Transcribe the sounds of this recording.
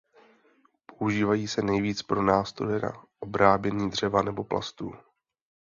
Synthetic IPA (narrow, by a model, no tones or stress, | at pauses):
po̞uʒiːvajiːsɛnɛjviːt͡spɾo̞naːst̪ɾojɛna̰ʔo̞bɾaːbjɛɲiːdr̝̥ɛvanɛbo̞plʔa̰st̪ṵː